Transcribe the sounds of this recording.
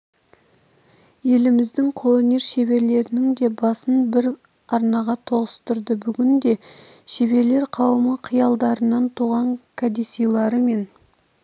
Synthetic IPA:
je̞lɪmɪzd̪ɪŋqʰolˠonʲeɾʃebe̞ɾle̞ɾɪnɪŋd̪e̞bɑsənbɪɾ | ɑɾnɑʁɑt̪ʰo̞ʁəst̪əɾd̪əbʏɡʲɪnd̪e̞ʃe̞βe̞ɾle̞ɾqʰɑwəməqʰijɑlˠd̪ɑɾənɑnt̪ʰuʁɑŋkʰad̪esijlˠɑɾəme̞n

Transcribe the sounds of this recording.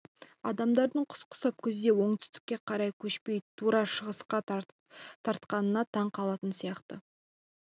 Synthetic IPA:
ɑd̪ɑmd̪ɑɾd̪əɴqʰʊ̥sqə̥sɑp̚kʲʏzd̪e̞wo̞ɴt̪ʰʏ̥st̪ɪ̥kʲːe̞qʰɑɾɑjkʲʰɵʃpe̞jt̪ʰuɾɑʃəʁəsqɑ | t̪ʰɑɾt̪qɑnənɑt̪ʰɑɴqʰɑlˠɑt̪ənsijɑqt̪ə

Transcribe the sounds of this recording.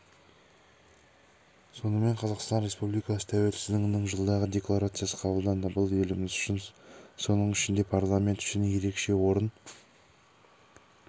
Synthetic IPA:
so̞nəme̞ɴqʰɑzɑqst̪ɑnɾe̞spublijkɑsə̥t̪ʰæwe̞lsɪzd̪ɪŋɪnɪŋʒəlˠd̪ɑʁəd̪ʲe̞klˠaɾat̪sɨjasə̥qʰɑbəlˠd̪ɑnd̪əbəlˠe̞lɪmɪzʏʃɪnso̞nəɴɪʃɪnd̪e̞pʰarlˠamʲe̞nt̪ʏ̥ʃɪnje̞ɾe̞kʃe̞wo̞ɾən

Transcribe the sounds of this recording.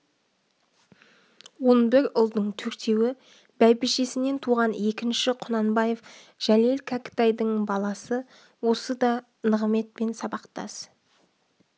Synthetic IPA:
wo̞nbɪɾʊlˠd̪əɴt̪ʰɵɾt̪ʰe̞wɪ | bæjbɪʃe̞sɪne̞nt̪ʰuʁɑne̞kʲɪnʃɪqʰʊnɑnbɑje̞f | ʒ̥ælelkʰakʲɪ̥t̪ɑjd̪əɴbɑlˠɑsə | wo̞səd̪ɑ | nəʁəme̞t̪̚pe̞nsɑbɑqt̪ɑ̰s

